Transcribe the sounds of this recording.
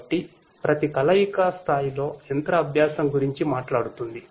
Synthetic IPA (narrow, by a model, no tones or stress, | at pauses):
ʈːi | pɾʔɐt̪ikɐlɐjikast̪ʰaːjilo̞ːent̪ɾɐːbʱjaːsɐmɡuɾiɲt͡ʃimaːʈlaːɽut̪und̪i